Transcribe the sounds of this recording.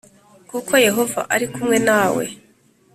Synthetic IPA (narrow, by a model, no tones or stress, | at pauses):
kukʰo̞je̞ɦo̞va̰ʔaɾikumŋe̞naːwe̞̰